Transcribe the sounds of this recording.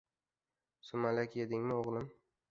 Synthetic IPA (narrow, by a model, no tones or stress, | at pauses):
sʊmalakʲed̪ɪŋmɪoʁlˠɪm